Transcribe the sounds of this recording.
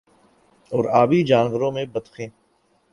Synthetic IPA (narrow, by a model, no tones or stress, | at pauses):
ɔːɾaːbid͡ʒaːnʋəɾõːmẽbəd̪xʰẽː